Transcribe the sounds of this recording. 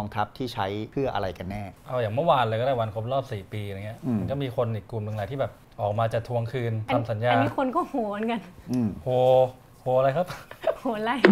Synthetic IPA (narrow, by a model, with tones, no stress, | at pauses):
ɔː˧ŋt̪ʰa˦˥p̚t̪ʰiː˥˩t͡ɕʰa˦˥jpʰɯ˥˩ɐʔa̰˧ɾa˧jka˧nːɛː˥˩ʔa˧˩wjaː˨˩ŋmɯ˥˩waː˧nlɤː˧kɔː˥˩daː˥˩wa˧nkʰo˦˥p̚ɾɔː˥˩p̚siː˨˩piː˧˨aː˨˩ŋːi˦˥ɐʔnkɔː˥˩miː˧kʰo˧nʔiː˨˩kːu˨˩mnɯ˧ŋlaː˨˦t̪ʰiː˥˩bɛː˨˩p̚ | ʔɔː˨˩k̚maː˧t͡ɕaː˨˩t̪ʰːu˧əŋkʰɯː˧nt̪a˧a˨˧msa˩˦njaː˧˥kʰo˧nkɔː˥˩hoː˨˩˦nka˧nʔɯː˧˩mhoː˨˩ | hoː˨˩˦ɾa˧jkʰa˦˥p̚hoː˨˩˦la˧j